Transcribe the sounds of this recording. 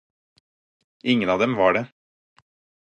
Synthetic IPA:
ɪŋənɑːd̪ɛmʋɑːɖe

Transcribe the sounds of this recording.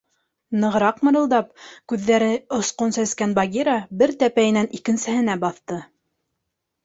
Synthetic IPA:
nɤ̆ʁɤ̆ɾɑqmɤ̆ɾɤ̆lˠd̪ɑp̚kʉðːæɾɘŏsqonsæskænbɑɡʲiɾɑbɘɾt̪æpæjɘ̆nænʔikɘ̆nsɘ̆hɘ̆næbɑθt̪ɤ

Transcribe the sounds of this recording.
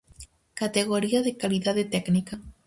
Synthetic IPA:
kat̪eɣoɾiaðekaliðaðet̪eɡnika

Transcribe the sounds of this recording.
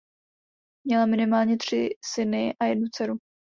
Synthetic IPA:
mɲɛlamɪnɪmaːlɲɛt̪r̝̥ɪsɪnɪʔajɛdnut͡sɛɾu

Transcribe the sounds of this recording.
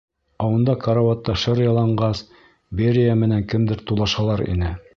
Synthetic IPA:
ɑwɤ̆nd̪ɑkɐɾavɑt̪ːɑʃɤɾjɑlˠɑɴɢɑs | bʲeɾʲijamɘ̆næŋkɘ̆md̪ɘɾt̪ulˠɑʃɑlˠɑɾḭnɘ

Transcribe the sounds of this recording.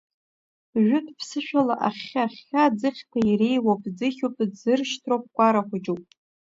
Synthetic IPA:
ʒʷᶣʊtʰʼpʰsɨʃᶣalaʔaχʲaχʲad͡zɨχʲtʰaire̞jwapʰʼd͡zɨχʲopʼzd͡zɨrʃtʰrop̚kʷʼaɾaχʷad͡ʒowpʼ

